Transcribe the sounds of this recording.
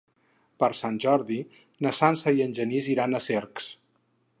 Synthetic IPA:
pəɾsanʲʒɔɾði | nəsansəiənʲʒəniziɾanəseɾks

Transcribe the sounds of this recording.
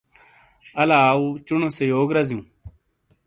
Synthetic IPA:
ɐlaːut͡ʃunõsejoːɡɾɐzjũː

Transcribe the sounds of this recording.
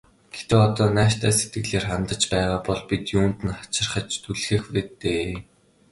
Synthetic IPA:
ɡ̥et̪ĕɔt̪ɔːnæːʃt̪æːset̪ɡɘ̆ɮeːrχamt̪ə̆t͡ɕpæːʁaːpɔɮpit̪juːnt̪ɘ̆nχḁt͡ɕɪ̆rχə̆t͡ɕt̪ʰuɮxĕːxreːt̪eː

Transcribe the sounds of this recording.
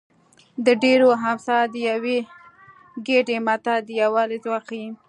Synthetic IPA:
d̪əɖeɾoɦamsɑd̪əjawe | ɡeɖemat̪ad̪əjawɑlezwɑqii

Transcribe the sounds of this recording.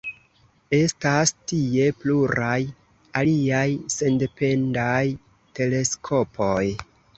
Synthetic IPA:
e̞stastie̞pluɾaj | aliajse̞nde̞pe̞ndaj | te̞le̞skʰo̞pʰo̞j

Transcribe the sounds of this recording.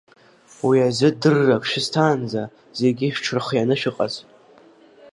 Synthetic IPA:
wiazɨdɨrːakʰʷʼʃᶣɪztʰaːnd͡za | z̥e̞ɡʲiʃᶣʈ͡ʂʰɨrχjanɨʃᶣɨqʼa̰zʼ

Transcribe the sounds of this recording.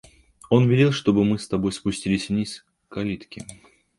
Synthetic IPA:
o̞nvʲɪlʲilˠʂt̪o̞bɨmɨst̪ɐbo̞jspʊsʲtʲilʲɪsʲvnʲis | kɐlʲit̪kʲɪ

